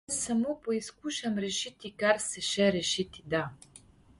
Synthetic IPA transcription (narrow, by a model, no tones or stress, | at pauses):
sɐmopoiskuʃɐmɾɛʃit̪ʰikarsɛʃɛɾɛʃit̪ʰid̪a